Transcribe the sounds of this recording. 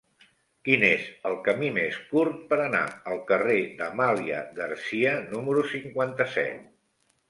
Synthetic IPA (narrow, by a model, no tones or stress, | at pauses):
kinezəlˠkəmimeskurt̪̚pəɾəna̰əlˠkəred̪əmaliə̰ɣərsiənuməɾusiŋkwant̪əsɛ̰t̪̚